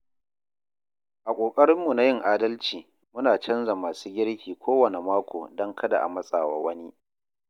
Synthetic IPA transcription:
ʔa˨kʷʼoː˨kʼɐ˦ɽɪ˦mːu˨na˦jɪ˦ŋʔaː˦dɐ˦lt͡ʃiː˨ | mʊ˦naː˨t͡ʃɐ˦nza˨maː˨suː˦ɡʲɪ˦ɽkʲiː˨kʷʰoː˦wɐ˨ne˨maː˦kʷʰo̰ː˨dɐ˦ŋkʰɐ˦da̰˨ʔa̰˨mɐ˦sʼaː˨wa̰ː˦wɐ˦ni˦

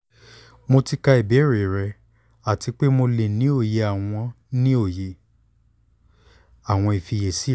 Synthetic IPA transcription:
mo˧ti˦ka˧i˨be˨˦ɾe˨ɾɛ˧ | a˨ti˧k͡pe˦mo˧le˨nĩ˨˦o˦˨je˧a˨w̃ɔ̃˧ | nĩ˦o˦˨je˨ | a˨w̃ɔ̃˧i˨fi˧je˨si˦

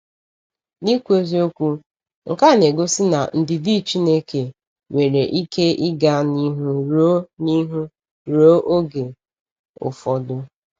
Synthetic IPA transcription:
ni˦kʷu˦e˦zi˦o˦kʷu˦ | ŋ̩˨ka˦˨ne˨ɡo˦sɪ˦na̰˨n̩˨dɪ˨di˦t͡ʃi˦ne˦ke˨ | wʷe˨ɾe˨ʔi˦kʰe˦ɪ˦ɡa˦ni˦ɦu˦ɾo˦ni˦ɦu˦ | ɾo˦ʔo˦ɡe˨ | ʊ̰˨fɔ˨dʊ˦

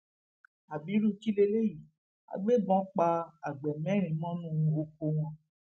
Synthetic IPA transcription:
a˨bi˨˦ɾu˦˨ki˦le˧le˦ji˨˦ | a̰˨ɡ͡be˦˨ɡ͡bɔ̃˨˦k͡pa˧a˨ɡ͡bɛ˨mɛ̃˨˦ɾ̃ĩ˨˦mɔ̃˦nũ˦˧o˧ko˧w̃ɔ̃˧

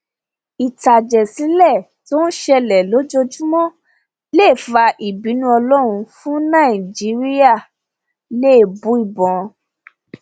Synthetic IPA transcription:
i˨ta˨d͡ʒɛ˨si˨˦lɛ˦˨ | to˦n̩˦ʃɛ˧lɛ˨lo˨˦d͡ʒo˧d͡ʒu˦mɔ̃˦ | le˦˨fa˧ʔi˨bi˨˦nũ˦ɔ˧lɔ˦ɾ̃ũ˧fũ˦nã˦˨i˨d͡ʒi˨˦ɾi˦a˦˨ | le˦˨bũ˨˦i˦˨bɔ̃˨

